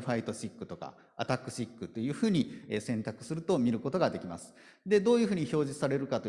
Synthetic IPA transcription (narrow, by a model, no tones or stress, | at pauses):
ɸait̪oɕikːɯ̟t̪o̞ka̰ | a̰t̪akːɯ̟ɕikːɯ̟t̪ːo̞jɯ̟ːɸɯ̟ːɲ̟iesẽ̞nt̪akɯ̟̥sɨɾɯ̟t̪o̞mʲiɾɯ̟ko̞t̪o̞ɡad̪e̞kʲima̰sɨ̥ | d̪e̞d̪o̞ːjɯ̟ɸɯ̟ːɲ̟iço̞ːʑisaɾe̞ɾɯ̟kat̪o